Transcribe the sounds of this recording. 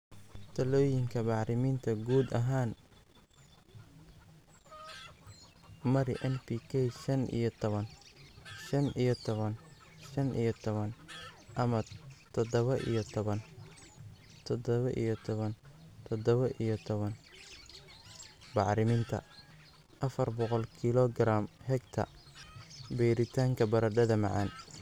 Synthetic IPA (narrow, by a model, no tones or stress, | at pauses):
t̪ʰɐlɔːjɪŋkʰɐbɑʕɾɪmiːnt̪ʰɐɡuːd̪ɐɦaːn | mɐɾɪʔɛnpiːkʰɛjʃɐnʔḭjɔt̪ʰɔβɐn | ʃɐnijɔt̪ʰɔβɐn | ʃɐnʔḭjɔt̪ʰɔβɐnʔɐmɐt̪ʰɔd̪ɔβɐʔḭjɔt̪ʰɔβɐn | t̪ʰɔd̪ɔβɐʔḭjɔt̪ʰɔβɐnt̪ʰɔd̪ɔβɐʔijɔt̪ʰɔβɐn | bɑʕɾɪmɪnt̪ʰɐ̰ | ʔɐfɐrbɔqɔlkʰilɔɡɾaːmhɛɡt̪ʰɐ̰ | bɛːɾɪt̪ʰaːŋkʰɐbɐɾɐɖɐðɐmɑ̰ʕɑ̰ːn